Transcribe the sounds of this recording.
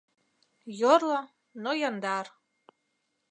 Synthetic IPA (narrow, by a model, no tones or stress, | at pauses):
jorlˠɑ | nojɑnd̪ɑr